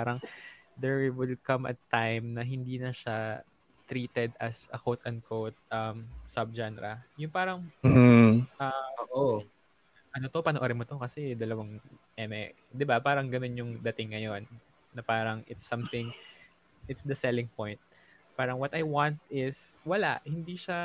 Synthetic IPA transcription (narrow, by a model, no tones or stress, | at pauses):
paɾɐŋd̪ɛɹwiwɪlkɐmʔɐ̰t̪ːajmnɐɦɪnd̪iːnɐʃa | t̪ɾiːt̪ɛd̪ɐsɐ̰kowt̪ɐn̚kʰowt̪̚ʔɐmsɐb̚d͡ʒanɛɾɐjʊŋpaːɾɐŋ | ʔɐoʔo | ʔɐnot̪o̞pɐnoʔoɾɛmot̪okɐsɛd̪ɐlɐwɐŋ | ʔɛmɛ | d̪ɪbapaːɾɐŋɡɐno̞njʊŋd̪ɐt̪ɪŋːɐjo̞nː | ɐpaːɾɐŋʔɪt̪sːɐmθɪŋ | ʔɪt̪sd̪ɐsɛlɪŋpojnt̪̚ | paːɾɐŋwɐt̪ɐjwant̪̚ɪswɐla̰ʔhɪnd̪iʃa